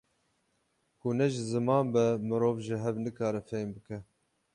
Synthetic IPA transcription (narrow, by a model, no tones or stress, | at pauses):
kunɛʒɪzɨmɑːnbɛmɨɾoːvʒɪɦɛvnɨkɑːɾɛfejmbɨkɛ